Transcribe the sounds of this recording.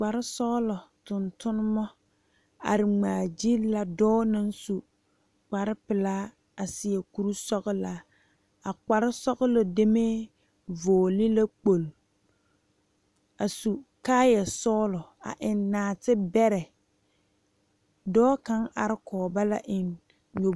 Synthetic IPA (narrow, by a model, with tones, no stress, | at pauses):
k͡pa˨ɾɪ˦sɔː˦lɔ˨tʊ˨ntʊ˦nʊ˦mɔ˦ | a̰˨ɾɪ˨ŋ͡maː˨d͡ʒi˦la˦dɔː˦na˦nsu˨ | k͡pa˨ɾɪ˦pɪ˨laː˦ | a˨sɪ˨ɛ˨ku˦ɾu˦sɔ˦ɣɪ˦la˨˦ | a˨k͡pa˨ɾɪ˦sɔ˦ɣʊ˦lɔ˨de˦me˦ | voː˨lɪ˦la˦k͡po˨l | a˨su˨kaː˦jɛ˨sɔː˦lɔ˨a̰˨ʔɪ˨nːaː˨tɪ˦bɛ˦ɾɛ˨ | dɔː˦ka˦ŋʔa˨ɾɪ˦kʰɔː˨ba˦la˦ʔɪ˨n | ɲo˨